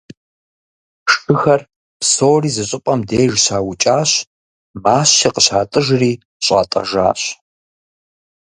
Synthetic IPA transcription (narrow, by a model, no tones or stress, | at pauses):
ʂɨxɐr | psoːriːzɨɕʼɪpʼɐmdeːʒɕaːwʊt͡ʃʼaːɕ | maːɕiqəɕaːtʼɨʒriː | ɕʼa̰ːtʼɐ̰ʒa̰ːɕ